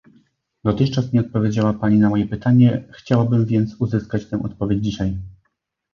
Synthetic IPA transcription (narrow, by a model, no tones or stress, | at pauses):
d̪ɔt̪ɘxt͡ʂasɲʲɛɔt̪̚pɔvʲjed͡ʑawapaɲinamɔjɛpɘt̪aɲɛxt͡ɕawabɘmvʲjɛnt̪suzɘskat͡ɕt̪ɛ̃w̃ʔɔt̪pɔvʲjed͡ʑd͡ʑiɕaj